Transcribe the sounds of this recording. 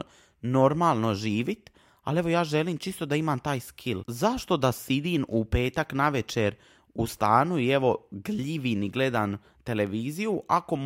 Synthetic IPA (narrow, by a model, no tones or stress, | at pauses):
no̞ɾmaːlˠno̞ʒiːʋit̪ | a̰le̞ʋo̞jaːʒe̞liːmt͡ʃist̪o̞d̪aimaːmt̪aːjskʰilzaʃt̪o̞d̪asid̪iːnupe̞ːt̪aknaʋe̞t͡ʃe̞ɾ | ust̪aːnuie̞ʋo̞ɡliʋiniɡle̞d̪an | t̪e̞le̞ʋiːzijuʔako̞